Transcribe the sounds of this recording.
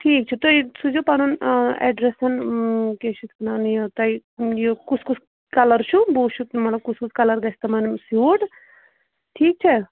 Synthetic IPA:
ʈʰiːk̚t͡ʃʰit̪ojsud͡ʒupanunɛ̰ɖɾesɐnket͡ʃʰut̪kɐnanjɐt̪ɐijokut͡sʰkusʰ | kɐlɐɾt͡ʃʰuboːt͡ʃʰut̪mɐt̪lɐb̚kusʰkut͡sʰkɐlɐɾɡɐsʰt̪ɐmɐnmsjuːʈ | ʈʰiːk̚t͡ʃʰe

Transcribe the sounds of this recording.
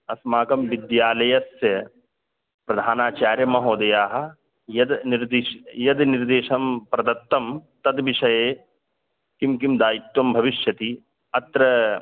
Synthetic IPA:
ɐsmaːkɐmʋid̪jaːlɐjɐsjɐ | pɾɐd̪ʱaːnaːt͡ʃaːɾjɐmɐɦoːd̪ɐjaːɦɐ̆ | jɐd̪niɾd̪iʃjɐd̪niɾd̪eːʃɐmpɾɐd̪ɐt̪ːɐmt̪ɐd̪ʋiʃɐjeː | kimkimd̪aːjit̪wɐmbʱɐʋiʃjɐt̪i | ɐt̪ɾɐ

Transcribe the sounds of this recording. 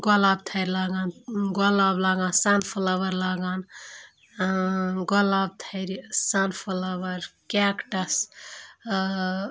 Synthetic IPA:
ɡɔlabt̪ʰəjɾlaɡanɡɔlablaɡãnsanpʰulaʋəɾlaɡan | ɡɔlab̚t̪ʰəjɾsanpʰulaʋəɾkɛkʈəs

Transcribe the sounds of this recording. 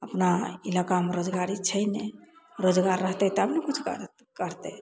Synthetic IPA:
əpnailakameɾod͡ʒɡaɾit͡ʃʰəjneɾod͡ʒɡaɾːəɦt̪ɛt̪əbnekut͡ʃʰkə̰ɾ | kəɾt̪ɛ

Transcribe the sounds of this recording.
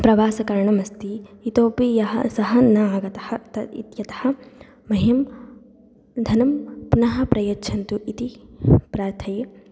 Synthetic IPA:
pɾɐʋaːsɐkɐɾɳɐmɐst̪iːt̪oːpijɐɦɐ̰sɐɦɐnaːɡɐt̪ɐhɐt̪ɐḭt̪jɐt̪ɐ̥hɐ̆ | mɐɦem | d̪ʱɐnɐmpunɐɦɐ̆pɾɐjɐt͡ʃʰɐnt̪uʔit̪ipɾaːɾt̪ʰɐje

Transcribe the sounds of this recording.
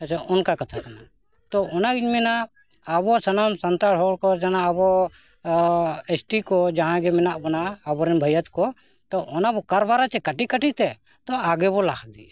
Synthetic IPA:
at͡ʃʰaɔnkakat̪ʰakana | t̪ɔɔnaɡiɲmɛna | əbɔsənamsənt̪aɽʰɔɽkɔd͡ʒanaəbɔ | esʈikɔd͡ʒaɦãɡɛmɛnaʔbɔnaːbɔɾɛnbʱəjət̪kɔ | t̪ɔʔɔnabɔkaɾbaɾat͡ʃɛkəʈikəʈit̪ɛ | t̪ɔaɡɛbɔlakʰad̪i

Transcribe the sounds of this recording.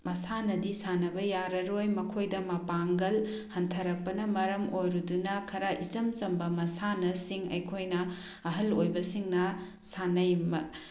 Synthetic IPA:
mɐsanɐdisanɐbɐjaɾɐɾojmɐkʰojdɐmɐpaŋɡɐl | hɐntʰɐɾɐk̚pɐnɐmɐɾɐmojɾudunɐkʰɐɾaʔit͡ʃɐmt͡ʃɐmbɐmɐsanɐsiŋɐ̰jkʰojnɐ | ɐɦɐlojbɐsiŋnɐ | sanɐjmɐ

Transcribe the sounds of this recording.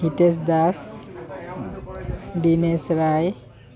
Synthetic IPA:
iʈes̬d̪as | ɖinesɾaj

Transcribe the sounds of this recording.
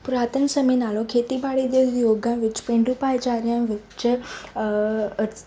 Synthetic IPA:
pɾat̪ʰənsəminalokʰet̪ibaɽid̪ed̪joɡãʋit͡ɕpẽɳɖupajt͡ɕaɾjãʋit͡ɕə

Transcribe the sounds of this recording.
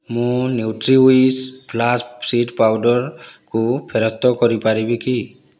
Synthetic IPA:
mʊniwtɹiwisplaspsitpawdɔɹkupʰɛɹɔst̪ɔkɔɹipaɹibiki

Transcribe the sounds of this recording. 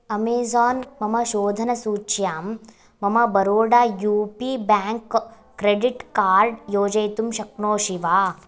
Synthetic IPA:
ɐmeːzɔːnmɐmɐʃoːd̪ʱɐnɐsuːt͡ʃjaːmː | ɐmɐbɐɾoːɖaːjuːpiːbaːŋkː | ɾeɖiʈkaːɾɖjoːd͡ʒɐjt̪umʃɐk̚noːʃiʋaː

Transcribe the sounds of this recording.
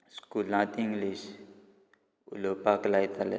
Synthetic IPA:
skulãt̪ĩŋɡliʃ | ṵlopaklajt̪ʰalɛ̰

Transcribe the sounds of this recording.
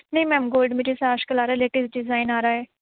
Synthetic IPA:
nəĩːmɛ̃mɡoːlɖmeɾesaːʃkəlaːɾaɛleːʈisɖɪzaːinaːɾaːɛː

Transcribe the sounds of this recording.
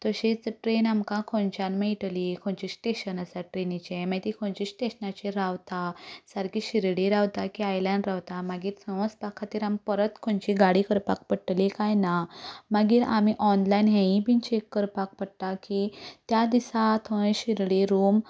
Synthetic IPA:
t̪əɕit͡səʈɾenamkãkʰõnt͡ɕanmeiʈlikʰõɳt͡ɕisʈeɕənasaʈɾenit͡ɕẽmat̪ikʰõnt͡ɕisʈeɕnat͡ɕiɾawt̪asəɾkiɕiɾɽiɾaʋt̪akiajlãɳɖɾawt̪amaɡiːɾsə̃w̃əspakʰːat̪iːɾampəɾət̪kʰõɳt͡ɕiɡaɽikəɾpak̚pəɽʈlikajnamaɡiːɾamiʔɔnlajnɦẽĩpint͡ɕekːəɾpak̚pəɽt̪akit̪jad̪isat̪ʰõɕiɾɽiɾum

